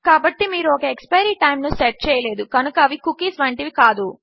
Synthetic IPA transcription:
kaːbɐʈːimiːɾuɔkɐekspɐjɐɾiːʈɐjmnuːseʈ̚t͡ʃɛːjɐle̞ːd̪ukɐnukɐːʋikukːiːsʋɐɳʈiʋikaːd̪u

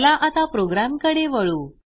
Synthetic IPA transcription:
laʔat̪apɾoɡɾamkəɽeʋəɭuː

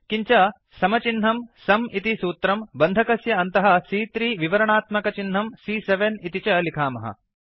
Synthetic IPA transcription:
kiɲt͡ʃɐ | sɐmɐt͡ʃinɦɐmsɐmit̪isuːt̪ɾɐmbɐnd̪ʱɐkɐsjɐɐnt̪ɐɦɐsiːt̪ɾiːʋiʋɐɾɐɳaːt̪mɐkɐt͡ʃinɦɐmsiːseʋenit̪it͡ʃɐlikʰaːmɐɦɐ̰

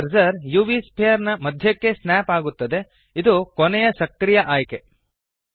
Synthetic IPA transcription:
ɐɾzɐɾjuːʋiːspʰijɐɾnɐmɐd̪ʱjɐkːe̞snaːpaːɡut̪ːɐd̪e̞ | id̪ukonɛjɐsɐkɾijɐʔaːjke

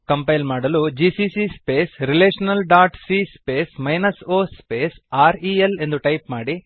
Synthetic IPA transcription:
kɐmpɐjlmaːɽɐlud͡ʒiːsisispeːsɾileːʂɐnɐlɖaːʈsiːspeːsmɐjnɐsoːspeːsaːɾiele̞nd̪uʈɐjpmaːɽi

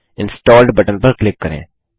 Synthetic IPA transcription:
ɪ̃nsʈɔːlɖbɐʈə̃npɐɾklɪkːɐɾḛ̃ː

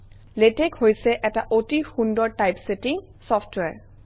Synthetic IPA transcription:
letekhojsɛʔɛtaʔotixundɔɹtajpsetiŋ | sɔpʰtwɛɹ

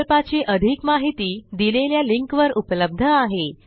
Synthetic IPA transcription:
lpat͡ɕiʔəd̪ʱikmaɦit̪iːd̪ileljaliŋkʋəɾupləb̚d̪ʱəaɦe

